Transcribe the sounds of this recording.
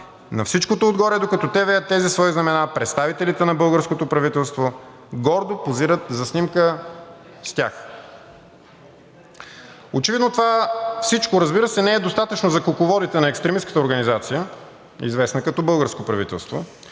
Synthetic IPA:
nɐfsit͡ʃkot̪oːd̪ɡɔɾɛd̪okɐt̪ɔt̪ɛvɛjət̪ːɛzisvɔiznɐmɛnapɾɛt̪st̪avit̪ɛlit̪ɛnɐbɤlˠɡəɾskot̪opɾɐvit̪ɛlˠst̪vo | ɡɔɾd̪opoziɾət̪zɐsnimkə | st̪ʲa̰x | ot͡ʃɛvid̪not̪ovafsit͡ʃkoɾɐzbiɾəsɛnɛɛd̪ost̪at̪ət͡ʃnozɐkokovɔd̪it̪ɛnɐɛkst̪ɾɛmiskə̥t̪əoɾɡɐnizat̪sijə | ḭzvɛsnəkɐt̪ɔbɤlˠɡəɾskopɾɐvit̪ɛ̰lˠst̪vo̰

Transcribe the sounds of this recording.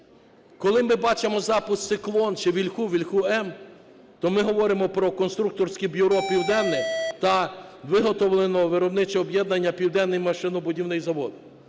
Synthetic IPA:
kɔlˠɪmɪbɑt͡ʃemɔzɑpʊst̪sɪklˠɔnt͡ʃɪʋʲilʲxuʋʲilʲxuɛm | t̪ɔmɪɦɔʋɔɾɪmɔpɾɔkɔnst̪ɾuk̚t̪ɔrsʲkɛbʲjʊɾɔpʲiwd̪ɛnːɪt̪ɐʋɪɦɔt̪ɔwlˠenɔʋɪɾɔbnɪt͡ʃɛɔbjɛd̪nɐnʲːɐpʲiwd̪ɛnːɪjmɐʃɪnʊbʊdʲiwnɪjzɐʋɔd̪

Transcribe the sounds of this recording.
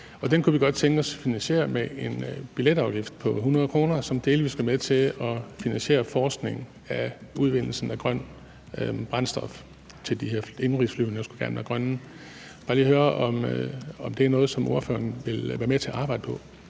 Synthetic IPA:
ɒ̽d̥enkʰuʋiɡ̥ɒ̽d̥̚t͡sʰeŋɡ̥ɒ̽sfinænɕe̝̰ːɐmeʔenb̥iled̥ɑ̈ʊɡ̥ifd̥pʰɒ̽ɦunɐð̞̩ˠkʰʁo̝ːnɐsɒ̽md̥e̝ːlʋisɡ̥æmeðˠt͡sʰe̝ɒ̽finænsɕe̝̰ːɐfɒːsɡ̥ne̝ŋ̩ | æuð̞ˠʋe̝n̰l̩sn̩æɡ̥ʁɶn̰ | b̥ʁɑ̈nsd̥ɒ̽f | t͡sʰe̝ld̥iheɐ̰e̝nʁisflyʊnəjɑsɡ̥uɡ̥æɐnʋæɐɡ̥ʁɶnn̩ | b̥ɑ̈ːliːhøːɐʔɒ̽mɒ̽md̥eæɐnɔ̽ːð̞̩ˠsɒ̽mo̝ɐfø̰ːɐnʋe̝lʋæɐmet͡sʰe̝ʔɑ̈ːb̥ɑ̈ɪd̥əpʰɒ̽

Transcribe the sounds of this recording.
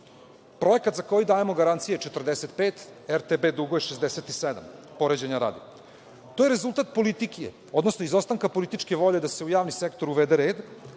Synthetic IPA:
pɾo̞jekat̪zako̞jid̪aːjemo̞ɡaɾant̪sijet͡ʃet̪r̩d̪eset̪peːt̪eɾt̪ebed̪uɡoeʃezd̪eset̪ised̪a̰m | po̞ɾed͡ʑeɲaɾa̰ːd̪i | t̪ojeɾezulˠt̪aːt̪̚po̞lit̪ikiḛ | o̞d̪nosnoizost̪aŋkapo̞lit̪it͡ʃke̞ʋo̞ʎed̪ase̞ujaːʋnisekt̪oɾuʋed̪eɾeːd̪

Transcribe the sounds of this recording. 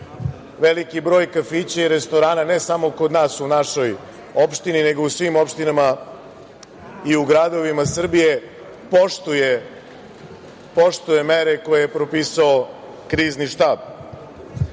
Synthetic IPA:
ʋelikibɾo̞ːjkafit͡ɕaiɾe̞st̪o̞ɾaːnane̞samo̞ko̞d̪naːsunaʃo̞j | o̞pʃt̪inine̞ɡousʋiːmopʃt̪inama | iuɡɾad̪o̞ʋimasr̩bije̞ | poʃt̪uje | po̞ʃt̪uje̞meɾe̞ko̞jejepɾo̞piːsao | kɾiːzniʃt̪aːb

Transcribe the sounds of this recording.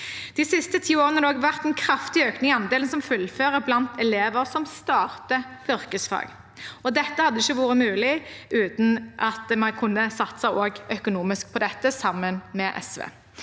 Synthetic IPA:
d̪̥ɪsɪst̪ət̪ʰiːoːʁənəd̪oːɡʋæʁt̪ɛnkʰʁɑft̪ɪøːknɪŋɪɑnd̪eːlnsɔmfʉlføːʁəblɑnt̪ʰɛleːʋəʁsɔmst̪ɑːʁt̪əʏʁkəsfɑ̰ːɡ | ɔd̪ɛt̪ːəhɑd̪ːəɪçːəʋuːʁəmʉːlɪʔʉːt̪n̩ʔɑt̪mɑnkʰʊnːəsɑt̪ːsɑʔoːɡœkʊnuːmɪsk̚pʰɔd̪ɛt̪ːəsɑmːənmɛʔɛ̰sʋḛː

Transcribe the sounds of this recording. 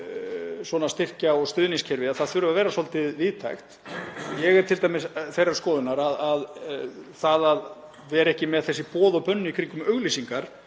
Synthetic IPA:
swɔːnast̪ɪr̥caɔɣst̪ʏðniŋscʰɛɾvɪðaθaðθʏɾʏvavɛːɾasɔlt̪ɪviːðt̪ʰa̰jxt̪jɛɣɛɾt̪ʰɪlt̪ajmɪsθejɾaɾ̥skɔːðʏnaɾaðað | θaðað | vɛːɾɛhcɪmɛðθɛsːɪpɔːðɔpœnːʏikʰɾiŋkʏmœɣlisiŋkaɾ̥

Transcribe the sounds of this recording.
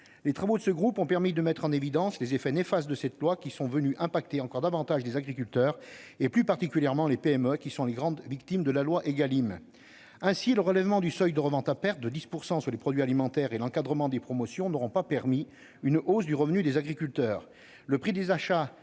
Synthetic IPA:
let̪χavod̪əsəɡʁupɔ̃pɛʁmid̪əmɛt̪χɑ̃nevid̪ɑ̃slezefɛnefast̪̚d̪əsɛt̪lwakʲisɔ̃vənyʔɛ̃pak̚t̪eɑ̃kɔʁd̪avɑ̃t̪aʒlezaɡʁik̬ʲylt̪œːʁeplypaʁt̪ikʲyljɛʁmɑ̃lepeɛmøkʲisɔ̃leɡʁɑ̃d̪vikt̪imd̪əlalwaʔeɡalim | ɛ̃siləʁəlɛvmɑ̃d̪ysœjd̪əʁəvɑ̃t̪apɛʁt̪̚d̪əd̪ispuʁsɑ̃syʁlepχɔd̪ɥialimɑ̃t̪ɛʁelɑ̃kad̪ʁəmɑ̃d̪epχɔmɔsjɔ̃nɔʁɔ̃papɛʁmi | ynʔozd̪yʁəvnyd̪ezaɡʁikʲylt̪œːʁ | ləpχid̪ezaʃa

